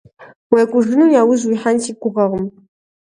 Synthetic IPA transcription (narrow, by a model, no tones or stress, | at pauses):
weːkʷʼʊʐɨnujaːwʊzwijħantiːkʷʼʊʁɐʁəm